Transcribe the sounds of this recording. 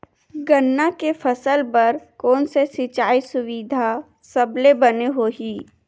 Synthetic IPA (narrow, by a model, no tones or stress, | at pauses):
ɡənːakefʰɐsəlpɐɾkɔːnsesɪt͡ʃaːisʊʋid̪ʱa | sɐblebɐneɦoɦiː